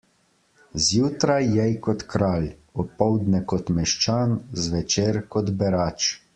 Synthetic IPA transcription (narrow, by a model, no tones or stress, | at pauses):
zjuːt̪ɾajːɛjkɔt̪kɾaːlɔpɔwd̪nɛkɔt̪mɛʃt͡ʃaːnzʋɛt͡ʃeːɾkɔd̪bɛɾaːt͡ʃ